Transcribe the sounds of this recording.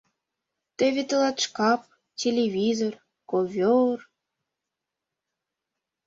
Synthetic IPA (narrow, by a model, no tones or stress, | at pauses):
t̪ĕβʲet̪ə̆lɑt̪ʃkɑp̚ | tʲelʲevʲizor | kovʲor